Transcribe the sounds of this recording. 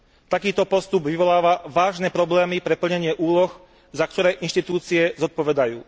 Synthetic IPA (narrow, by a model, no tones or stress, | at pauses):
t̪akiːt̪ɔpɔst̪ubʋiʋɔlaːʋaʋaːʒnɛpɾɔblɛːmipɾɛpl̩ɲɛɲɪɛʔuːlɔx | zakt̪ɔɾɛːʔinʃt̪it̪uːt͡siɛzɔt̪̚pɔʋɛd̪ajṵː